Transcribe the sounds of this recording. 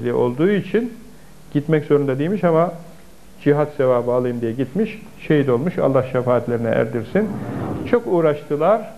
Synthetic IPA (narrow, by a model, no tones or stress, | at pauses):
lʲiʔo̞̰lˠd̪uːit͡ʃʰin | ɟ̥it̪mɛczo̞ɾund̪ad̪ijmiʃama | d͡ʒiɦat̪se̞vaːbɯalˠɯjɯmd̪ijɛɟit̪miʃ | ʃejit̪o̞lˠmuʃa̰lˠːahʃefaːt̪lʲe̞ɾinɛ̰ʔæ̰ɾd̪iɾsint͡ʃʰo̞kuːɾaʃt̪ʰɯlˠaɾ̥